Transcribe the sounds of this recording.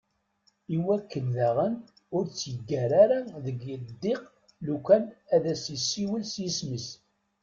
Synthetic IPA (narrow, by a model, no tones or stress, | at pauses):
iwækːənðæʁən | ʊɾt͡sːjəɡːæɾaɾaðəɡəd̪ːɪq | lukʷænæðæsisːiwəlsjəsməs